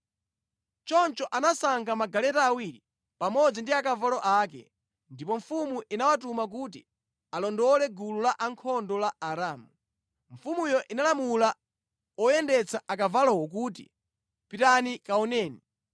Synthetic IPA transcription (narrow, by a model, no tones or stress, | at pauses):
t͡ʃɔnt͡ʃɔʔanasaŋɡamaɡalɛtaːwiɾi | pamɔd͡zindiakavalɔʔaːkɛ̰ | ndipɔɱfumuʔinawatumak̬ut̬i | alɔndɔlɛɡululaʔaŋkʰɔndɔlaaɾaːmu | ɱ̩fumujɔʔinalamula | ɔjɛndɛt͡sʰaʔak̬avalɔwɔk̬uːt̬ḭ | pitanikaɔnɛːni